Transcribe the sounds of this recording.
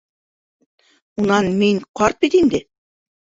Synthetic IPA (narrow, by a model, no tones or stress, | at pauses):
unɑnmiŋqɑɾt̪̚bit̪ind̪ɘ